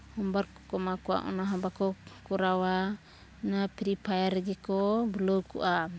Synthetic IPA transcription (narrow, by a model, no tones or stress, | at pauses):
hɔmbaɾkɔkɔmakua̰ʔɔ̰naɦɔmbakɔkuɾawa | napiɾipajaɾɛɡɛkɔbulɔwkṵʔa